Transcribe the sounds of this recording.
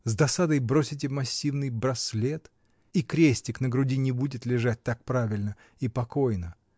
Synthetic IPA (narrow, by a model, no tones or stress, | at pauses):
zd̪ɐsad̪əjbɾo̞sʲɪt̬ʲɪmɐsʲːivnɨjbɾɐslʲet̪ | ikɾʲesʲtʲɪknəɡɾʊdʲinʲɪbudʲɪt̪lʲɪʐat̚ʲt̪ak̚pɾavʲɪlʲnə | ipɐko̞jnə